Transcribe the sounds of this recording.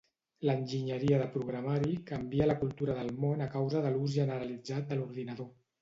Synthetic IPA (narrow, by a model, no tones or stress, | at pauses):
lənʲʒiɲəɾiəðəpɾuɣɾamaɾikəmbiələkulˠt̪uɾəðəlˠmonəkawzəðəluzʒənəɾəlid͡zat̪̚d̪əluɾðinəðo